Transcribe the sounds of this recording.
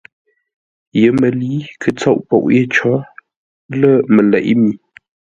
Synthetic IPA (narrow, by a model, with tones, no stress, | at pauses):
jə˨˦mə˨liː˨˦kʰə˨t͡so˦˨ʔpo̰˨ʔje˦˨t͡ʃɔ˨˦ | lə˦˨mə˨lɛ̰˨ʔmi˨˦